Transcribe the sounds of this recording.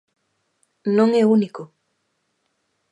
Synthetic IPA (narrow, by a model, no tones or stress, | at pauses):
noŋeunɪko